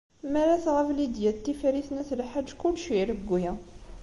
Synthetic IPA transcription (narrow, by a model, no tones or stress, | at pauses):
mæɾæθʁəflid̪jæt̪ːifɾiθnæθlħad͡ʒːkʊlʃiɾəɡːujæ